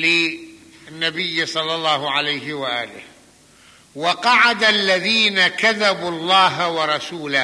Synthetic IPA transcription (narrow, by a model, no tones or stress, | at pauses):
lɪ | nːabɪjːsˤɑlːɑlˤːɑːhʊʕalajɦɪwaʔaːlɪ̰h | wɑqɑʕad̪alːaðiːnakaðabuɑlˤːɑːɦawɑɾˤɑsuːla